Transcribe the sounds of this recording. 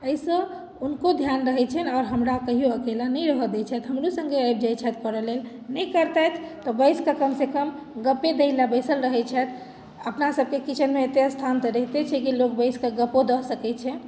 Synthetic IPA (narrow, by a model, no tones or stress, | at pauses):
əisə̃ | unkod̪ʱjanɾəɦɛt͡ʃʰɛnɔɾɦəmɾakəɦijoəkelanɛjɾəɦəd̪ɛt͡ʃʰɛt̪ɦəmɾusə̃ŋɡeajb̚d͡ʒajt͡ʃʰɛt̪pəɾəlel | nəikəɾt̪ɛt̪ʰt̪ɔbəɪskakəmsekəm | ɡəped̪eɪlabəsəlɾəɦɛt͡ʃʰɛt̪ʰ | əpnasəb̚kekit͡ʃʰənmeːt̪eəst̪ʰant̪ɾeɦt̪et͡ʃʰɛkilok̚bəɪskeɡəpod̪əɦsəkɛt͡ʃʰɛ